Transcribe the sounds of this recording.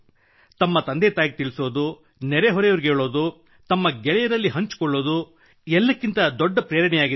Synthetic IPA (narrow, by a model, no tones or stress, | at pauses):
t̪ɐmːɐt̪ɐnd̪et̪aːjiɡet̪iɭisoːd̪u | nɛɾeɦɔɾɛjoʋɾiɡeːɭoːd̪u | t̪ɐmːɐɡɛɭɛjɐɾɐlːiɦɐɲt͡ʃu̥kɔɭːo̞ːd̪u | ɛlːɐkːint̪ɐd̪ɔɖːɐpɾejːɐɾɐɳɛjaːɡi